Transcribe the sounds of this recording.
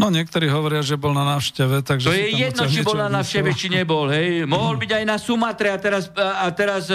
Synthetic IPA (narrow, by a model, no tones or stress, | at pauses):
nɔɲɪɛk̚t̪ɔɾiːɦɔʋɔɾɪaʒɛbɔlnanaːfʃcɛʋɛt̪aɡʒɛjɛjɛd̪nɔt͡ʃibɔlnanaːfʃcɛʋɛt͡ʃiɲɛbɔlɦɛjmɔɦɔlbiɟajnasumat̪ɾɛat̪ɛɾasat̪ɛɾas